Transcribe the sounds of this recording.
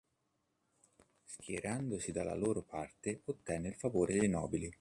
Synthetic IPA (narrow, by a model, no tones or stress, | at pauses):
skjḛɾand̪osid̪alːa̰loːɾopʰart̪eot̪ːɛnːeilfavoːɾʔed̪ejnɔ̰ːbili